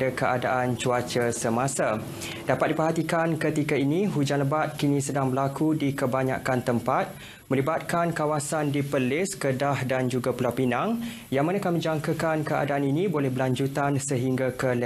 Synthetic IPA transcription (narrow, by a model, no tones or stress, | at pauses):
əkəʔadaʔant͡ʃuat͡ʃəsəmãsa | d̥apat̪̚dipəɦat̪ikankət̪ikainiɦud͡ʒanləbat̪̚kinĩsədaŋbəlakudikəbaɲa̰kant̪əmpat̪̚ | mə̃libat̪̚kankawasandipəlɪskədahdand͡ʒuɡapəlawpinaŋ | jaŋmanakamə̃d͡ʒaŋkəkankəa̰daaninĩbolɛhbəlaɲd͡ʒut̪ansəɦiŋɡakəl